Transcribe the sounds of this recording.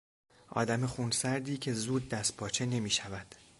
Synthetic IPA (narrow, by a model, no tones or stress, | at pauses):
ʔɒ̰ːd̪æmexunsæɾd̪iːcʰe̞zuːd̪̚ːæst̪̚pʰɒːt͡ʃʰe̞ne̞miːʃævæd̪̥